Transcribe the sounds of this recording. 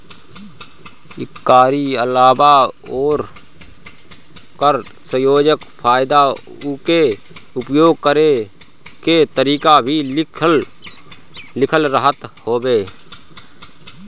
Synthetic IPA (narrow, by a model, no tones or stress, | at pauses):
ɪkːaːɾiəlaːbaoːɾ | kəɾ | sə̃joːd͡ʒəkfʰaːjɪd̪a | ʊke | ʊpjoːɡ̚kəɾe | ket̪əɾiːkabʱi | lɪkʰəlɾəɦət̪hoːbeː